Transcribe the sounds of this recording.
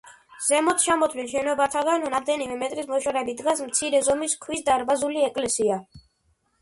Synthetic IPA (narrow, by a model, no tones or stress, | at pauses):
z̥ɛmɔt̪t͡ʃʰamɔt̪ʰwinʃɛnɔbat̪ʰaɡanɔnamd̪ɛnimɛmɛt̪ʼɾismɔʃaɾɛbid̪ɡasmt̪sʰiɾɛzɔmiskʰwisd̪aɾbazuliɛkʼlɛsia